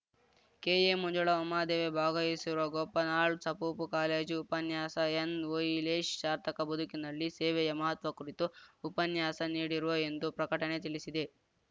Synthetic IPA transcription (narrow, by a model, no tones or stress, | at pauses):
keːjemuɲd͡ʒuɭɐɔmːaːd̪eːʋebʱaːɡɐjisiɾuʋɐɡɔpːɐnaːɭsɐpuːpukaːleːd͡ʒupɐnjaːsɐenʋojleːʃt͡ʃaːɾt̪ɐkɐbɐd̪ukinɐlːisɛːʋɛjɐmɐɦɐt̪ʋɐkuɾit̪uupɐnjaːsɐniːɽiɾuʋɐend̪upɾɐkɐʈɐnet̪iɭisid̪e̞